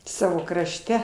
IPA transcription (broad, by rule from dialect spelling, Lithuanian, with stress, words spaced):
ˈsɑːʋoː krɐʃʲˈtʲɛ